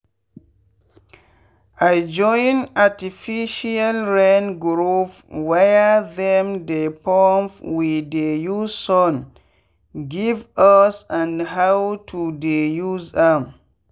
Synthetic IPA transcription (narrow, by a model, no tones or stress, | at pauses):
ʔajd͡ʒɔjnatifiʃialɹɛnɡɾupwɛjaðɛ̃mdepɔmfwidejuzsɔn | ɡivasãnɦawtʰudejuzdam